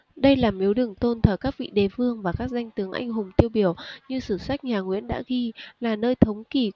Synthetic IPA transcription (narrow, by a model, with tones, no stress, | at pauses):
ɗə˧jlaː˨˩mi˨˦wɗɨ˨˩əŋt̪o˧nt̪ʰəː˧˩kaː˦˥k̚vḭ˧˨ɗe˨˩˦fɨ˧əŋvaː˨˩kaː˦˥k̚za˧jŋ̟t̪ɨ˨˦əŋʔa̰˧˩jŋ̟ɦʊ˨˩ŋ͡mt̪i˧əwɓi˧˩əwɲɨ˧sɨ˧˩sa˦˥k̚ɲaː˨˩ŋwḭ˧˥ənɗa̰ː˧˥ɣi˧laː˨˩nəː˧jt̪ʰə˨˦wŋ͡mki˨˧˩